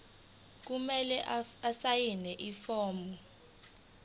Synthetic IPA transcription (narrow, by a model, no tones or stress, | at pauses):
k̬umɛlɛʔasajinɛʔifɔːmɔ